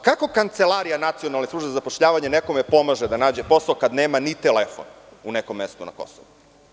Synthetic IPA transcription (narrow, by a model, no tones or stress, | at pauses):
kako̞kant̪selˠaɾijanat̪sio̞nalˠnesˠuʒbezapo̞ʃʎaːʋaɲeneko̞mepo̞maʒed̪anaːd͡ʑe̞po̞saokad̪neːmanit̪elefo̰nunekomːest̪una̰ko̞̰soʋu